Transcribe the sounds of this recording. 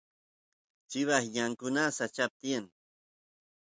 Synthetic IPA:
t͡ʃɪβahjaŋkʊnasat͡ʃap̚t̪ian

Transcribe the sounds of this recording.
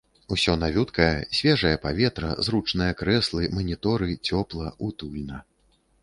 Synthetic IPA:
usʲɔnavʲut̪kɐjɛsʲvʲɛʐɐjɛpavʲɛt̪ɾɐ̰zrut͡ʂnɨjɐkɾɛslˠɨmɐnʲit̪ɔɾɨt͡sʲɔplˠɐut̪ulʲnɐ

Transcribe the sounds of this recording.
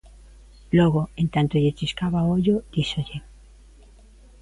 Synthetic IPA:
loɣoent̪ant̪oʎet͡ʃiskaβaooʎod̪̥iʃoʎe

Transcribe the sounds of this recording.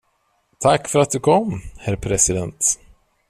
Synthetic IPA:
t̪ʰakːfœɾat̪̚d̪ɵkʰɔmːhæɾpʰɾɛsɪd̪ɛnt̪

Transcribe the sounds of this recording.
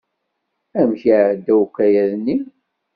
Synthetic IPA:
æmçəd̪æwukːæjæðnːi

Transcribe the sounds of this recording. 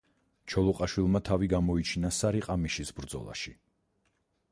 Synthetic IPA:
t͡ʃʰɔlˠɔqʼaʃwilˠmat̪ʰaviɡamɔit͡ʃʰinasaɾiqʼamiʃisbɾd̪zɔ̰lˠa̰ʃi

